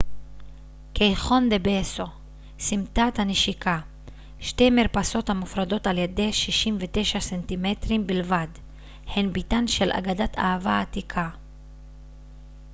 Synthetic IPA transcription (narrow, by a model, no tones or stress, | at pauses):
kʰejχo̞nd̪ebeso̞ | simt̪at̪haneʃikʰa | ʃte̞miʁpaso̞thamufʁado̞taljede̞ʃiʃimvet̪e̞ʃasentimet̪ʁimbilvad | henbit̪anʃe̞lʔa̰ɡadat̪ʰa̰avaːt̪ikʰa